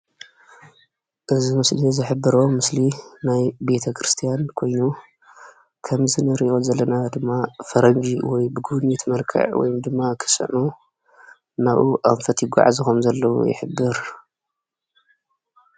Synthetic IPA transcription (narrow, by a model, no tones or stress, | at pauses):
ʔɨzimɨslizɨħɨbɨɾomɨslinajbe̞t̪ʰɐkʰɾɨst̪ʰijankʰo̞jnu | kʰɐmzɨnɨɾiʔo̞zɐlːɐnad̪ɨmːafɐɾɐɲd͡ʒiwɔjbɨɡuβnit̪ʰmɐlkʰɐ̰ʕwɔ̰jumd̪ɨmːakʰɨ̥sʼɨ̰ʕnu | naʔuʔanfɐt̪ʰjɪɡa̰ʕa̰zikomzɐlːɐwṵjɪ̰ħɨbːɨɾ